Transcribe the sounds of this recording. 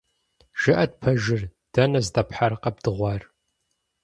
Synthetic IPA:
ʒ̥ɨʔɐdpʰɐʒɪr | d̥ɐnɐzdɐpħarqɐb̚dɨʁʷɑr

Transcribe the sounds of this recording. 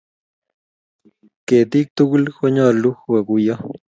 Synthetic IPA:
ket̪ik̚t̪ukulxʷoɲaluxwakuja

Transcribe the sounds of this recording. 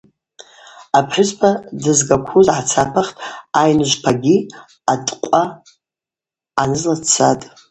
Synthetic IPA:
apʰħʊzpʰadɨzɡakʷʰuzʕat͡sʰapʰaχtʼajnɨʒʷpʰaɡʲi | atʼqʷʼa | anɨzlat͡sʰatʼ

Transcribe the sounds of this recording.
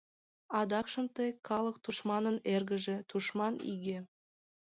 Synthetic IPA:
ɑd̪ɑkʃə̆mt̪ejkʰɑlˠɤk̚t̪uʃmɑnə̆neɾɡɘ̆ʒĕt̪uʃmɑnḭɡʲe

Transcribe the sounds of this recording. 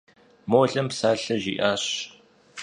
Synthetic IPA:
moːɬɐmpsaːɬɐʒḭːʔaːɕ

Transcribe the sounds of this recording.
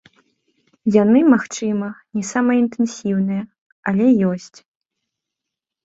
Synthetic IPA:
janɨmaxt͡ʂɨmɐnʲɛsamɐint̪ɛnsʲiwnɨjɛ | alʲɛjɔsʲt͡sʲ

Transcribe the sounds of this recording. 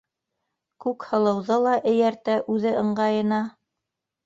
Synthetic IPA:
kʉkhɤ̆lˠɤ̆wðɤlˠɑʔɘ̆jæɾt̪æʔʉðɘɤ̆ɴɢɑjɤ̆nɑ

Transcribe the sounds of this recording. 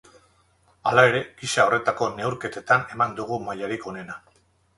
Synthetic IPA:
alae̞ɾe̞ɡ̥iʃao̞re̞t̪ako̞ne̞wɾke̞t̪e̞t̪ane̞mand̪uɣ̞umajaɾiko̞ne̞na

